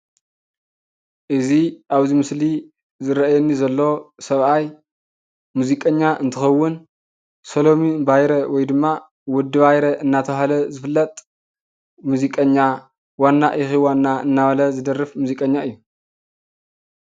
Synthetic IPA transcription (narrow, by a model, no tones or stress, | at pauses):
ʔɨziʔaβzimɨsli | zɨɾɐʔajɛnːizɐlːo̞sɐβʔaj | muzikʼɐɲːaʔɨnt̪ʰɨxɐwːʊn | solo̞mibajɾɐwɔjd̪ɨmːa | wʊd̪ːɨβajɾɐʔɨnːat̪ʰɐɦalɐzɨfɨlːɐt̪ʼ | muzikʼɐɲːa | wanːaʔixiwanːaɨnːaβɐlɐzɨd̪ɐrːɨfmuzikʼɐɲːaɨjːu